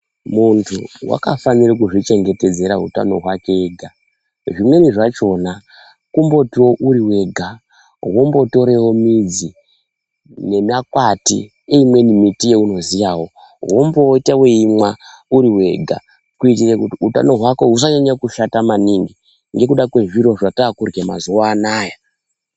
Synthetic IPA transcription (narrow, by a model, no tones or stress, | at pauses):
muntʰuwa̰kafaniɾikuʐit͡ʃe̞ŋɡe̞te̞d͡ze̞ɾauta̰no̞ɦwake̞ɡʱa | ʐimwe̞niʐat͡ʃo̞na | kumbo̞tiwo̞ʔuɾiwe̞ɡʱa | wo̞mbo̞to̞ɾe̞wo̞mid͡zi | ne̞makwatḭ | eimwe̞nimitijeuno̞zijawo̞ | ɦo̞mbotaweimwa | uɾiwe̞ɡʱa̰ | kuit̬irekutiuta̰no̞ɦwako̞ɦus̬aɲaɲakuʃatamaniŋɡi | ŋɡe̞kuɗakwe̞ʐiɾo̞ʐataːkurɡema̰zuwaːnaja